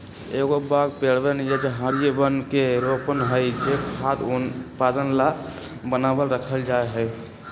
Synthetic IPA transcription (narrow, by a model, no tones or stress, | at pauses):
eɡobaɡpeɽbenjed͡ʒeɦəɾijəbənkeɾopənɦəjd͡ʒekʰad̪upad̪ənla | bənabəlɾəkʰəld͡ʒaeɦəj